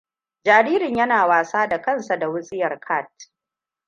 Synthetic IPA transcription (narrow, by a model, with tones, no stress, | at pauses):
d͡ʒaː˨ɾiː˦ɾɪ˨ɲjɐ˦naː˨waː˨saː˦da˨kɐ˦˨nsa˨da˨wʊ˦sʼɪ˦jɐ˨rkʰa˦˨t̚